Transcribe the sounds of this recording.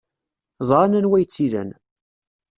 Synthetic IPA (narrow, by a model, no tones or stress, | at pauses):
zˤɾˤɑnænwæjt͡sːiðə̰n